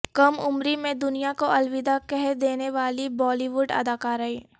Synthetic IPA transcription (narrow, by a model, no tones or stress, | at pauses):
kɐmʊmɾimẽd̪ʊnijakoʔɐlʋɪd̪akɛɦd̪eːneʋaːlibɔːliʋʊɖɐ̰d̪aːkaːɾɐi